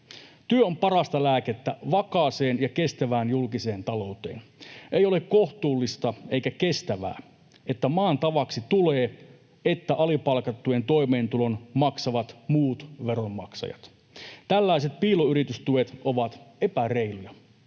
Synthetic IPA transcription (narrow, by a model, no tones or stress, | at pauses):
t̪yøompɑrɑst̪ɑlæːket̪ːæʋɑkɑːseːnjɑke̞st̪æʋæːnjulkise̞ːnt̪ɑlo̞ut̪ḛːnʔejo̞lekko̞ht̪uːlːist̪ɑeikæke̞st̪æʋæ̰ː | et̪ːæmɑːnt̪ɑʋɑksit̪uleː | et̪ːæʔɑlipɑlkɑt̪ːuent̪o̞ijme̞ːnt̪ulo̞nmɑksɑʋɑt̪muːt̪ʋe̞ro̞mːɑ̰ksɑ̰jɑ̰t̪ | t̪ælːæiset̪̚piːloyɾit̪yst̪uet̪ʔoʋɑt̪e̞pæreilujɑ